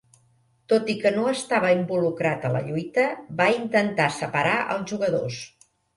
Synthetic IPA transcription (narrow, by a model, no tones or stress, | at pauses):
t̪ot̪ikənoəst̪aβəimbulukɾat̪ələ̰ʎujt̪əbaint̪ənt̪asəpəɾaʔə̰lˠzʒuɣəðo̰s